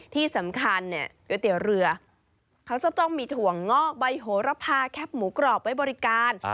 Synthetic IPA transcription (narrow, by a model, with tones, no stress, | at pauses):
t̪ʰiː˥˩sa˩˦mkʰa˧nːi˦˩ɐkɯ˧˩t̪i˨˩˦wɾɯ˧ɐ | kʰa˦˥wt͡ɕa˨˩t̪ɔ˥˩ŋmiː˧t̪ʰu˨˩əŋːɔ˥˩ba˧jɦoː˩˦ɾa˧˥pʰaː˧kʰɛ˦˥p̚muː˩˦kɾɔː˨˩p̚wa˦˥jbɔː˧ɾi˦˥kaː˧n